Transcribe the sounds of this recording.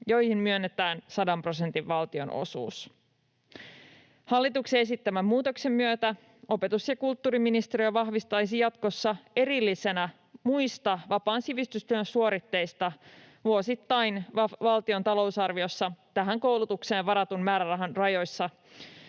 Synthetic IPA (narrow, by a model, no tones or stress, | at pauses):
jo̞jhimmyønːet̪æːnsɑdɑmpro̞se̞nt̪iʋʋɑlt̪io̞̰no̰sṵːs | hɑlːit̪ukseesit̪ːæmæmmuːt̪o̞kse̞mːyøt̪æ | o̞pe̞t̪usjɑkult̪ːuːɾiminist̪eɾiøʋɑɦʋist̪ɑjs̬ijɑt̪ko̞sːɑe̞ɾilːise̞næ | mujst̪ɑʋɑpɑːnsiʋist̪yst̪yøənsuo̞ɾit̪ːe̞jst̪ɑ | ʋuosit̪ːɑjnɑʋɑlt̪io̞nt̪ɑlo̞usɑrʋio̞sːɑt̪æɦæŋko̞wlut̪ukse̞ːnʋɑɾɑt̪unmæːɾærɑɦɑnrɑjo̞jsːɑ